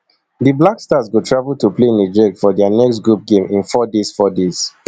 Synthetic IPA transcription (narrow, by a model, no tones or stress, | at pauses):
dəblakstazɡotʰɹavəlˠtuplened͡ʒɛkfɔdɛanɛkstɡɹup̚ɡẽmĩnfɔdesfɔdez̥